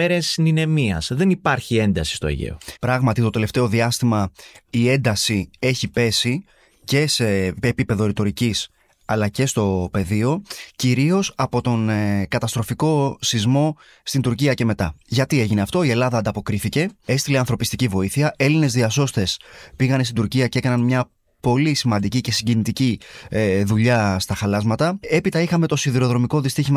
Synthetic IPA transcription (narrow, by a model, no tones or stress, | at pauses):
eɾesnine̞miɐ̰sðe̞nipɐɾçie̞nd̪ɐsi̥st̪oḛʝḛo̰pɾɐɣmɐt̪it̪o̞t̪ele̞ft̪e̞o̞ðiɐst̪imɐie̞nd̪ɐsie̞çipe̞si | ce̞seːpipe̞ðo̞ɾit̪o̞ɾicis | ɐlɐce̞st̪o̞pe̞ðio̞ciɾio̞sɐpo̞t̪o̞nkɐt̪ɐst̪ɾo̞fiko̞sizmo̞ | st̪ind̪uɾciɐce̞me̞t̪ɐʝɐt̪ie̞ʝineɐft̪o̞ie̞lɐðɐːnd̪ɐpo̞kɾiθice̞e̞st̪ile̞ɐnθɾo̞pist̪icivo̞iθiɐʔe̞line̞zðiɐso̞st̪e̞spiɣɐnest̪ind̪uɾciɐce̞kɐnɐnmɲɐ | po̞lisimɐnd̪icice̞siɲɟinit̪ici | ðuʎɐst̪ɐxɐlɐzmɐt̪ɐe̞pit̪ɐixɐme̞t̪o̞siðiɾo̞ðɾo̞miko̞ðist̪içim